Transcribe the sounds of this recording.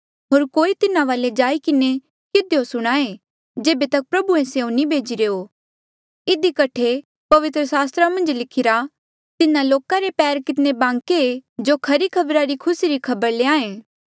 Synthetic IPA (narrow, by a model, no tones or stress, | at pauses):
ɦoːɾkoːit̪ɪnãʋaːled͡ʒaːikɪne | kɪd̪eosʊɽ̃aːe | d͡ʒeːbet̪ɐk̚pɾɐbuẽseːũnĩbʱeːd͡ʒiɾeːo | ɪd̪ikɐʈʰe | pɐʋɪt̪ɾəsaːst̪ɾamɐ̃nd͡ʒlɪkʰɪɾa | t̪ɪnãloːkaɾepɛːɾkɪt̪nebãːŋkeed͡ʒoːkʰɐɾikʰɐbɾaɾikʰʊsiɾikʰɐbəɾleːaːẽː